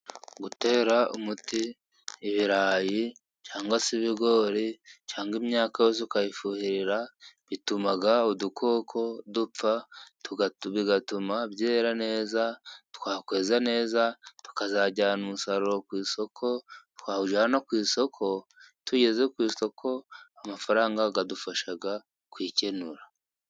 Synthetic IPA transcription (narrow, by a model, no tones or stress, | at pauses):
ɡute̞ːɾaṵmutiː | βiɾaːji | t͡ʃaːŋɡwasiβiɡo̞ɾit͡ʃaːŋɡeːmɲaːkajozikajifuhiɾiɾaβitumaɡaodukʰo̞ːkʰo̞dup͡fatuɡβiɡatumaβjeːɾane̞ːzatu̥kaːkwe̞ːzane̞ːzatu̥kazaɟaːnumusaɾuɾokwiːso̞kʰo̞tu̥kaːuʒanokwiːso̞kʰo̞tʰuɟe̞zekwiːsto̞kʰo̞amafaɾaːŋɡaɡadufaʃaɡa | kwiːcenuɾa